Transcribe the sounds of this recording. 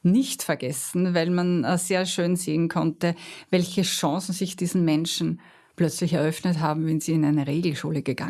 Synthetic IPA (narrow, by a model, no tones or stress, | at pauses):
nɪçtfɛɐɡ̥ɛsn̩vaɪlmanzeːɐʃøːnzeːənkʰɔntəvɛlçəʃɑ̃ːsn̩zɪçd̥iːzn̩mɛnʃn̩ | plœt͡slɪçɛɐʔœfnətɦaːbm̩vɛnz̥iːɪnæɪnəʁeːɡl̩ʃuːləɡ̥əɡ̥a̰